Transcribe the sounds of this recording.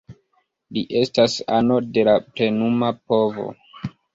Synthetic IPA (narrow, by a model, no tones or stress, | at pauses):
liʔe̞stasano̞de̞lapɾe̞numapo̞vo̞̰